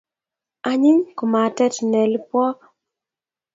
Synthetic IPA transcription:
a˨ɲɪ˦ɲko˨ma˨tɛ˦tnɛ˨lpwɔ˦

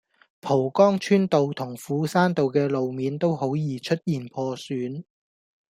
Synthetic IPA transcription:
pʰo˨˩wkɔː˥ŋt͡ʃʰyː˥nt̪o˨wt̪ʰʊ˨˩ŋfuː˨˥saː˥nt̪o˨wkɛː˧lo˨wmiː˨˧nt̪o˥who˨˥wjiː˨˧t͡ʃʰɵ˥t̚jiː˨npʰɔː˧syː˨˥n

